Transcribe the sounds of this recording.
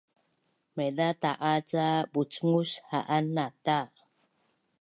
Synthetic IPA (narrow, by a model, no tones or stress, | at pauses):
medat̪aʔat͡sabut͡ʃŋushaʔanːat̪a